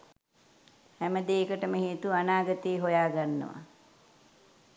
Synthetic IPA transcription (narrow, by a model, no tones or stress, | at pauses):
hæməd̪eːkəʈəməɦeːt̪uanaːɡət̪eːɦojaːɡanːə̰ʋa̰